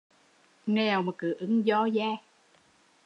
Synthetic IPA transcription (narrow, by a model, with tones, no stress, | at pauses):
ŋɛ˨˩˨wmaː˨˩kɨ˨˦ʔɨ˧˦ŋzɔ˧zaː˧˩